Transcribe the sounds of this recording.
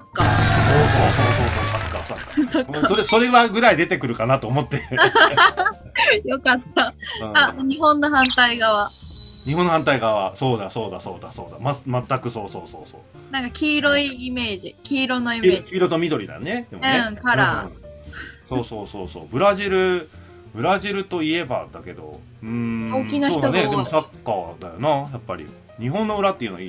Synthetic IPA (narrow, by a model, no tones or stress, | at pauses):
sokːasoːsoːsoːsoːsoːkḁkasakːaokːsoɾeso̞ɾe̞βaɡɯ̟ɾaid̪e̞t̪e̞kɯ̟ɾɯ̟kanat̪oːmo̞t̪ːe̞ | jo̞kat̪ːãaɲ̟iɦõ̞nːoɦãnt̪aiɡaβaɲ̟iɦõnːohãnt̪aiɡaβaso̞ːd̪aso̞ːd̪aso̞̰ːd̪a̰so̰ːd̪amamat̪ːakɯ̟so̞ːso̞̰ːso̰ːsoː | nãŋkakʲiːɾo̞iːme̞ːʑikʲiːɾo̞no̞ieokʲiːɾot̪omʲid̪o̞ɾʲid̪a̰ned̪e̞moɯẽkaɾa | soːso̞ːso̞ːso̞̰ːbɯ̟ɾaʑiɾɯ̟ | bɯ̟ɾaʑiɾɯ̟t̪o̞ie̞ba̰d̪ake̞d̪o̞̰ | ɯ̟̃ɴɡokʲinoçoçiːtoned̪e̞mosakːa̰ːd̪ajonajapːaɾʲḭ | ɲ̟iɦõ̞nːo̞ɯ̟ɾat̪ːeiɯ̟n̰i